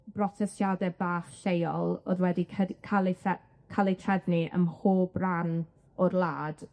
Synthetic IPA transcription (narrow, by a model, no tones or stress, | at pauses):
b̥rɔtʰɛstjadɛbaːχɬejɔlˠo̰ðwɛdikʰəkʰalˠiɛ | kʰalˠitʰrɛðniʔə̰mhoːbran | ɔrlˠaːd̥